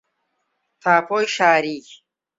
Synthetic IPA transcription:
t̪ʰaːpoːjɕaːɾiː

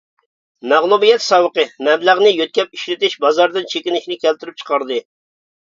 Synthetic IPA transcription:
mæʁlˠumijɛt̪sɑwəqəmɛmlæʁnɨjøt̪̚kʲɛp̚iʃɾɪt̪ɪʃbɑzɑɾd̪ɨnt͡ʃʰekʲinɪʃinɪkʲælt̪yɾyp̚t͡ʃʰə̥qɑɾd̪ɨ

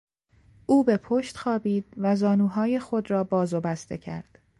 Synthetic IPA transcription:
ʔuːbe̞pʰoʃt̪xɒːbiːd̪̥̚væzɒːnuːɦɒːje̞xo̞d̪rɒːbɒːzobæst̪e̞̰cʰæ̰ɾd̪̥

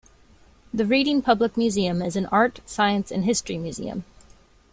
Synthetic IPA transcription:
ðɨɹiɾɪ̃ŋpʰʌblək̚mjʉziɨ̃mɨzɨ̃n̩ʔɑɹtsaɪɨ̃nsɨ̰̃nɦɪstɹ̥imjʉzḭɨ̰̃m

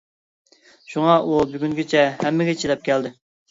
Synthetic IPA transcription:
ʃuŋɑʔubyɡʲyŋɡʲet͡ʃʰɛhɛmːɪɡʲɛt͡ʃʰid̪ɛp̚kʲɛld̪ɪ

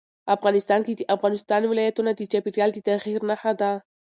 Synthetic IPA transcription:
afɣɑnɪst̪ɑnkid̪iʔafɣanɪst̪ɑnwɪlajat̪unad̪ikapit̪ald̪it̪axiɾnaħad̪a

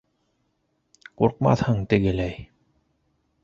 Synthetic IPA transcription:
quɾqmɑ̰θhɤɴt̪ɘ̆ɡɘ̆læj

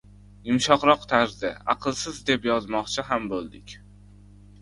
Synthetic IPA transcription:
ɪmʃɒqɾɒqt̪ʰaɾzd̪ɪ̰a̰qʰɨlˠsɪzd̪e̞pjɒzmɒqt͡ʃʰɪɦambolˠd̪ɪkʲ

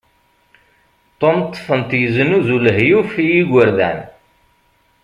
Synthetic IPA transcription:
t̪ˤːomt̪ˤːfənt̪jəzənuzuləɦjufijiɡʷəɾðæ̰n

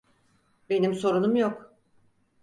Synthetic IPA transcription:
be̞nimso̞ɾunumjok

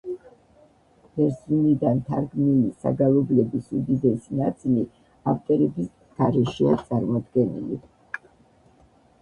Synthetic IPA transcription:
b̥ɛɾsunid̪ant̪ʰaɾɡmnilisa̰ɡalˠɔblɛbisud̪izɛsinat̪sʼili | aft̪ʼɔɾɛbis | ɡ̥aɾɛʃia̰t̪sʼaɾmɔd̪ɡɛnḭlḭ

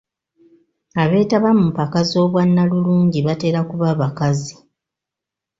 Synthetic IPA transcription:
aβe̞ːtaβamupakazo̞ːβwanːaluluːɲɟiβate̞ːɾakuβaβakazi

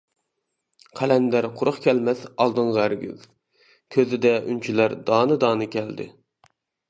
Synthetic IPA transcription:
qʰælɛnd̪æɾqʰʊɾʊχkʲɛlmɛsɑlˠd̪ɨɴʁɑæɾɡʲy̰z | kʲʰøzɪd̪ɛʔy̰nt͡ʃʰylæɾd̪ɑːnɨd̪ɑːnɨkʲʰɛld̪ɪ̰

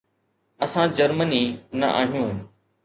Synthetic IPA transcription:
ɐsãd͡ʑɐɾməniːnɐ̰ʔa̰ːɦijũː

